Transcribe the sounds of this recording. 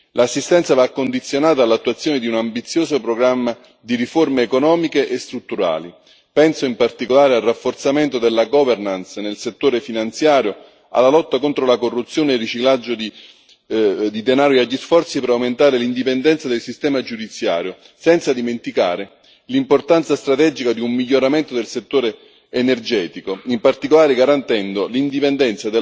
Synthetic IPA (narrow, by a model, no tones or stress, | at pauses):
lʔasːist̪ɛnt̪savakːond̪it̪sːjonaːt̪aːlːat̪ːuat̪sːjoːned̪iunambit̪sːjoːsopɾoɡɾamːa | d̪iɾiformeːkonɔːmikeʔest̪ɾut̪ːuɾa̰ːli | pɛnsoimpart̪ikolaːɾealrafːort̪sament̪od̪elːaɡɔvernansnelset̪ːoːɾefinant̪sjaːɾjo | a̰lːalɔt̪ːakont̪ɾolakorːut̪sːjoːneːrːit͡ʃiklad͡ʒːod̪i | d̪id̪enaːɾoiaʎːisfɔrt̪sipeɾawment̪aːɾelind̪ipend̪ɛnt̪sad̪elsist̪ɛːmad͡ʒud̪it̪sja̰ːɾjo | sɛnt̪sad̪iment̪ika̰ːɾe | limport̪ant̪sast̪ɾat̪ɛd͡ʒikad̪iumːiʎːoɾament̪od̪elset̪ːoːɾeː | nerd͡ʒɛːt̪ikoimpart̪ikolaːɾeɡaɾant̪ɛnd̪olind̪ipend̪ɛnt̪sad̪e